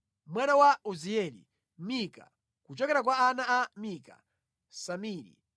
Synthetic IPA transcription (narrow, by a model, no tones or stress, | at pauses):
mwɛɗawauziɛlḭ | mika̰ | kut͡ʃɔkɛɾak̬waːnaamika̰ | samiːɾḭ